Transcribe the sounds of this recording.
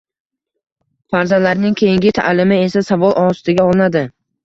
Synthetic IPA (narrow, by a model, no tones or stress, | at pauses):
faɾzanlaɾnɪŋkʲʰe̞jɪŋɡʲɪt̪ʰa̰lɪmɪe̞sasavɒlˠʔɒst̪ɪɡʲaɒlˠɪnad̪ɪ